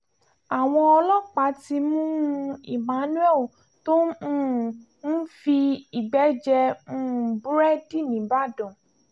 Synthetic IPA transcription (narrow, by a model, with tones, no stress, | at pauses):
a˨w̃ɔ̃˧ɔ˧lɔ˦k͡pa˨˦ti˧mũ˦˧i˨mã˨˦nũ˦ɛ˦˨l | tõ˦˨ | n̩˦fi˧i˨ɡ͡bɛ˨˦d͡ʒɛ˧mũ˦˧˨bu˦ɾɛ˦di˦˨nĩ˨ba˦dɔ̃˨